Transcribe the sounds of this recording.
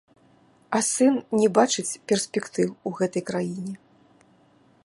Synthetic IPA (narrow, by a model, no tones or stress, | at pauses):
ɐsɨnnʲɛbat͡ʂɨt͡sʲpʲɛrsʲpʲɛkt̪ɨwuɣɛt̪ɐjkɾajinʲɛ